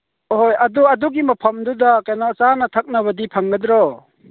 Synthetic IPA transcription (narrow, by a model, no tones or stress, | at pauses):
hojɐdɔɐduɡimɐpʰɐmd̪ud̪akajnɔt͡ʃanat̪ʰɐk̚nabɐdipʰaŋɡɐd̪ɾɔ